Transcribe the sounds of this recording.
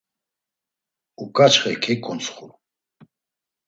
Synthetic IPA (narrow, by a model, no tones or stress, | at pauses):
ukʼat͡ʃχɛ̰kʰɛkʼɔnt͡sχuɾ